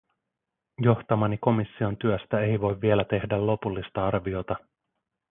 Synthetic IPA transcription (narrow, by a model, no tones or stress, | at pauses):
jo̞ht̪ɑmɑniko̞misːio̞nt̪yøst̪æe̞jʋo̞jvːie̞læt̪e̞hdælo̞pulːist̪ɑɑrʋio̞t̪ɑ